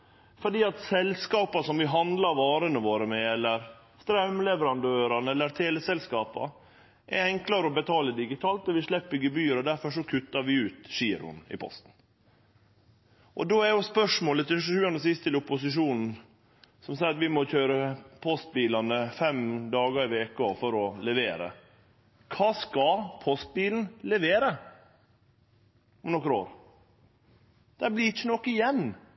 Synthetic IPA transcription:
fɔɖiːɑt̪sɛlskɑːpɑsɔmʋɪɦɑnd̪lɑɾʋɑːɾənəʋoːɾəmɛɛlːəɾ | st̪ɾɛmlɛʋəɾɑnd̪øːɾɑnɛlːəɾt̪ʰeːləsɛlskɑːpɑ̰ | ʔɛɾɛŋklɑɾəɔbət̪ʰɑːləd̪ɪɡɪt̪ʰɑːlt̪ɔʋɪʂɭɛpːəɡəbyːɾɔd̪æɾfɔʂɔkʰʉt̪ːɑɾʋɪʉːt̪ʂiːɾʊ̰nɪ̰pʰɔ̰st̪n̩ | ʔɔd̪oːæɾjʊspœʂmoːlət̪ɪʃʃʉːɑnəs̬ɪst̪ʰːɪlʊpːʊs̬ɪʂ̬uːnn̩ | sɔmsɑɪɑt̪ʋɪmɔçøːɾəpʰɔst̪̚biːlɑnəfɛmd̪ɑːɡəɾɪʋeːkɔfɔɾɔlɛʋeːɾə̰ | kʰɑːskɑpʰɔst̪̚biːln̩lɛʋeːɾə | ʊmnɔkːəɾo̰ːɾ | d̪̥æblɪɾɪt͡ʃːənɔkːɪjɛnː

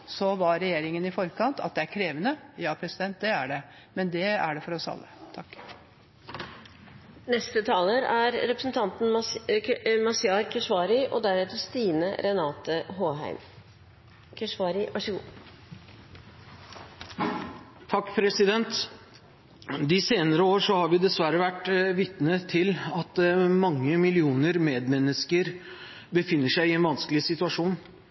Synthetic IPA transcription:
sɔʋɑɾɛjeːɾɪŋənɪfɔɾkʰɑnt̪ʰɑ̰t̪̚d̪ɛæɾkʰɾeːʋənəjɑːpʰɾɛsɪd̪ɛnt̪̚d̪ɛæɖɛ | mɛnd̪ɛæɖɛfɔɾɔsɑ̰lːət̪ʰɑkː | nɛst̪ət̪ʰɑːləɾæɾɾɛpɾəsn̩t̪ʰɑnt̪n̩ | mɑsɪɑːɾkʰɛʂʋɑːɾɪʔɔ̰d̪æɾeːt̪əst̪iːnəɾɛnɑːt̪əɦoːɦæ̰ɪm | kʰɛʂʋɑːɾɪʋɑʂəɡṵː | t̪ʰɑkːpʰɾɛsɪd̪ɛnt̪ | d̪ɪseːnəɾəoːʂɔhɑɾʋɪd̪ɛsʋæɾəʋæʈʋɪt̪nət̪ʰɪlɑt̪mɑŋːəmɪlɪuːnəɾmeːd̪mɛnːəskəɾ | bəfɪnːəʂæɪɪɛnʋɑnskəlɪsɪt̪ʉɑʂuːn

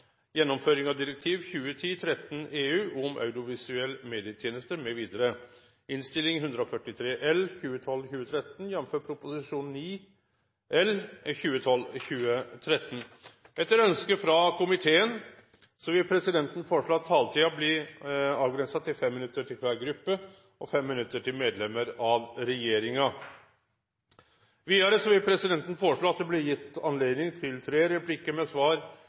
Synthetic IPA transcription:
jɛnːɔmføːɾɪŋɑʋd̪ɪɾək̚t̪ʰiːʋçʉːət̪ʰiːt̪ʰɾɛt̪ːn̩eːʉːʔʊmʔœ̰ʉd̪ɪʊʋɪsʉɛlːəmeːd̪ɪət̪ʰjeːnəst̪əɾmɛʋiːd̪əɾə | ɪnst̪ɪlɪŋɦʉnd̪ɾɔfœʈːɪt̪ʰɾeːʔɛlçʉːət̪ʰɔlːçʉːət̪ʰɾɛt̪n̩jɛnmføːpʰɾʊpʊsɪʂuːnniː | ʔɛlçʉːət̪ʰɔlːçʉːət̪ʰɾɛt̪ːn̩ | ɛt̪ːəɾœnskəfɾɑkʰʊmɪt̪ʰeːən | sɔʋɪlpʰɾɛsɪd̪ɛnt̪ən̩foɔʂɭoːɑt̪ʰːɑːlt̪ʰiːɑblɪɑːʋɡɾɛnsɑt̪ɪlfɛmːɪnʉt̪ːəʈʰɪlkʰʋæːɾɡɾʉpːə | ʔɔfɛmːɪnʉt̪ːəʈʰɪlmeːd̪lɛmːəɾɑʋɾɛjeːɾɪŋɑ | ʋiːɑɾəsɔʋɪlpʰɾɛsɪd̪ɛnt̪n̩foːɾəʂɭoːɑt̪̚d̪ɛblɛjɪt̪ːɑnleːd̪nɪŋt̪ʰɪlt̪ʰɾeːɾɛplɪkːəɾmɛsʋɑːɾ

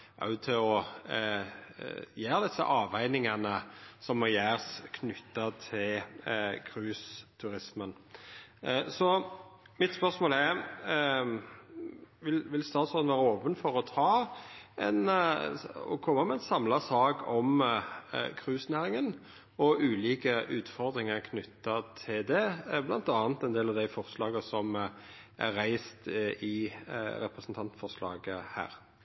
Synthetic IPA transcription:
ʔɑ̰ʉt̪ʰɪɔ | jæːɾd̪ɪsːə̰ʔɑːʋæɪnɪŋɑnəsɔmːɔjæːʁskʰnʏt̪ːət̪ʰɪlkʰʁʉːst̪ʰʉɾɪsmən | sɔ | mɪt̪spœʂmoːlɛɾ | ʋɪlʋɪlst̪ɑːt̪sɔnʋæːɾəoːpənfɔɾɔt̪ʰɑːɛn | ɔ̰kʰɔmːəmɛɛnsɑmlɑsɑːɡɔm | kʰʁʉːsnæːʁɪŋən | ɔʔʉːliːkəʔʉːt̪fɔʁd̪ʁɪŋəʁkʰnʏt̪ːɑt̪ʰɪld̪ɛblɑ̰nt̪ɑːnt̪ɛnd̪eːlɑʋd̪æɪfɔʁslɑːɡəsɔm | ʔæ̰ɾæɪst̪ɪɾɛpɾɛsn̩t̪ʰɑnt̪fɔʁʂlɑ̰ːɡəhæ̰ːɾ

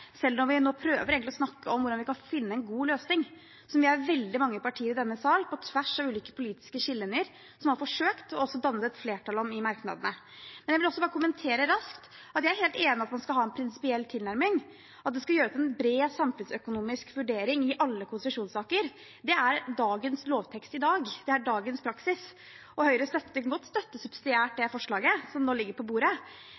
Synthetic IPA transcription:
sɛlːnɔɾʋɪnoːpʰɾøːʋəɾeːɡŋt̪lɪɔsnɑkːəɔmʋʊɖɑnʋɪkɑnfɪnːəɛnɡuːløːsnɪŋ | sɔmʋɪæɾʋɛld̪ɪmɑŋːəpɑʈʰiːəɾɪd̪ɛnːəsɑːlpʰɔt̪ʰʋæʂɑʋʉːliːkə̥pʰʊliːt̪ɪ̥skəɕɪlːənəɾ | sɔmhɑɾfɔʂøːkt̪ɔɔsːɔd̪ɑnːət̪ɛt̪fleːʈʰɑlɔmɪmɑɾknɑ̰d̪ənə | mɛnjæʋɪlɔsːɔbɑːɾəkʊmənt̪ʰeːɾəɾɑskt̪ | ɑt̪jæɪæɾheːlt̪eːnɪɑt̪mɑnskɑhɑːɛnpʰɾɪnsɪ̥pɪɛlːt̪ʰɪlnæɾmɪŋ | ɑt̪d̪ɛskɑjøːɾət̪ɛnbɾeːsɑmfʉnsœkʊnuːmɪskʋʉɖeːɾɪŋɪʔɑlːəkʰʊnsəʂuːnsɑːkəɾ | d̪ɛæɾɖɑːɡənsloːʋt̪ʰɛkst̪ɪd̪ɑːɡd̪̥ɛæɖɑːɡənspʰɾɑksɪs | ɔhœʏɾəst̪œt̪ːəɡɔt̪ːst̪œt̪ːəsʉb̥sɪd̪ɪæːʈ̚d̪ɛfɔʂɭɑːɡəsɔmnoːlɪɡːəɾpʰɔbuːɾə

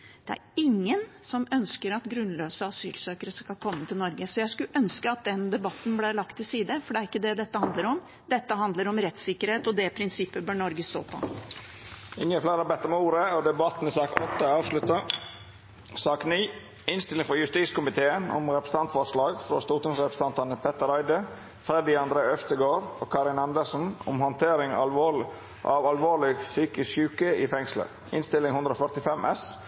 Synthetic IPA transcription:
d̪̥ɛæ̰ɾɪŋːənsɔmœnskəɾɑt̪ɡɾʉnløːsəɑsy̰ːlsøːkəɾəskɑkʰɔmːət̪ʰɪlnɔɾɡəsɔjæɪskʉʔœnskəɑt̪̚d̪ɛnd̪ɛbɑt̪ːn̩blæɭɑkt̪ʰːɪlsiːd̪əfɔɖɛæɾɪkːəd̪ɛd̪ɛt̪ːəhɑnd̪ləɾɔm | d̪ɛt̪ːəɦɑnd̪ləɾɔmɾɛt̪sɪkːəɾheːt̪ɔd̪ɛpʰɾɪnsɪpːəbœːɳɔɾɡəst̪o̰ːpʰɔ̰ | ɪŋːəflæːɾəbɛt̪ːəɾmɛuːɾəɔd̪ɛbɑt̪n̩ɪsɑːkɔt̪ːəɑːʋʂlʉt̪ə | sɑːkniː | ɪnst̪ɪlɪŋfɔjʉst̪iːskʊmɪt̪ʰeːənʊ̰mɾɛpɾəst̪ɑnt̪fɔʂlɑːɡfɾo̰st̪uːt̪əŋsɾɛpɾəst̪ɑnt̪ɑnəpʰɛt̪ːəɾɑɪd̪ə | fɾɛd̪ɪɑnd̪ɾeːœft̪əɡoːɾo̰ːkʰɑːɾɪnɑnd̪əʂn̩ʊ̰mhɔnt̪ʰeːɾɪŋɑ̰lʋoː | ʔɑ̰ʋɑlʋoːlɪɡsyːkəʃʉːkəɪfɛŋslə̰ | ɪ̰nst̪ɪlɪŋhʉnd̪ɾəɔfœt̪ɪfɛmʔɛs

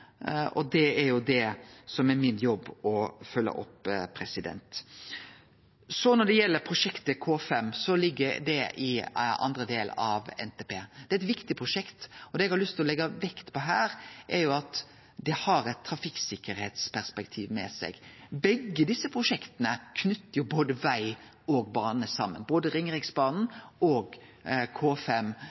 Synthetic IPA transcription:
ʔɔ̰d̪ɛɛɾjʊd̪ɛsɔmɛɾmɪnjɔbːɔfœlːə̰ʔɔ̰pːpʰːɾɛsɪd̪ɛ̰nt̪ | sɔnɔɖ̪ɛjɛlːəɾpʰɾʊʂɛkt̪əkʰoːfɛmsɔlɪɡːəɾd̪ɛʔɪ̰ʔɑ̰nd̪ɾəd̪eːlɑʋɛ̰nt̪ʰeːpeːd̪̥ɛæɾɪt̪ʋɪkt̪ɪpʰɾʊʂɛkt̪ɔd̪ɛːɛɡhɑɾlʏst̪ʰɪlɔlɛɡːɑʋɛkt̪pʰɔɦæːɾʔɛɾjʊɑt̪ | d̪ɛhɑɾɛt̪ʰːɾɑfɪksɪkːəɾheːt̪spʰæɾspɛkt̪ʰḭːʋmɛ̰sɛ̰ɡ̥bɛɡːəd̪ɪsːəpʰɾʊʂɛkt̪ənəkʰnʏt̪ːəɾjʊboːd̪əʋæɪ | ɔɡbɑːnəsɑmːə̰nboːd̪əɾɪŋɾɪɡsbɑːnn̩ɔːɡkʰoːfɛm

